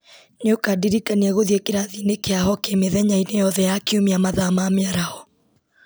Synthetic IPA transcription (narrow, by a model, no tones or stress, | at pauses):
nokadiɾikaniaɣoðiekeɾaðinekeaɦɔkemeðɛɲainejɔðɛjakeomiamaðamameaɾahɔ